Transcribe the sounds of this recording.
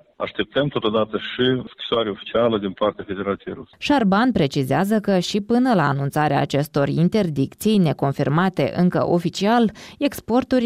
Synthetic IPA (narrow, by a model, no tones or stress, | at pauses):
a̰ʃt̪e̞p̚t̪əmt̪o̞t̪od̪at̪əʃiskʲi̥soaɾeofi̥t͡ʃialəd̪inpart̪eafe̞d̪e̞ɾat̪sijḛjɾṵsʃarbanpɾe̞t͡ʃizeazəkəʃipɨnəlaːnunt̪saɾea̰ːt͡ʃe̞st̪o̞rint̪e̞rd̪ikt̪sijne̞ko̞nfirmat̪e̞̰ʔɨŋkə̰ʔo̞fit͡ʃiale̞kspo̞rt̪urʲ